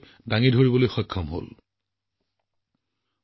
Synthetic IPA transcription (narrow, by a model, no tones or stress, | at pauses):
daŋidʱoɹibɔlojxɔjkʰːɔmɦo̰l